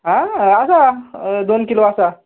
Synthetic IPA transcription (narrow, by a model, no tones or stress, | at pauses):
ɦãasad̪onkiloasa